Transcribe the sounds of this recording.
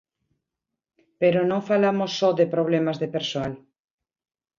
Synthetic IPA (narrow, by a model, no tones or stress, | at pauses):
peɾonõŋfalamosːɔðepɾoβ̞lemazðepeɾsoal